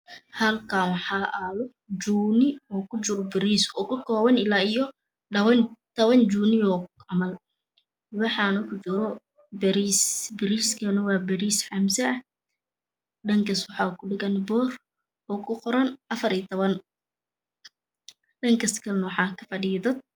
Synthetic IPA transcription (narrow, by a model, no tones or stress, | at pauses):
hɐlkʰaːnwɑħɑːʔɐlɔ | d͡ʒuːnɪɔːkʰʊt͡ʃʊɾɔbɪɾiːsɔːkʰʊkʰɔːβɐnɪlaːijɔ | ɐβɐnt̪ʰɔβɐnd͡ʒuːnɪjɔːʕɑmɐl | wɑħɑnɐkʰʊt͡ʃʊɾɔ | bɛɾisbɪɾiːskʰɐnɐwɑːbɐɾiːsħɑmsɛɐ | ɖɐŋkʰɐswɑħɑːkʰʊɖɪɣɐnbɔːr | ɔːkʰʊqɔɾɐnɐfɐɾiːt̪ʰɔβɐn | ɖɐŋkʰɐskʰɐnwɑħɑːkʰɐfɐɖiːɐðɐd̪̚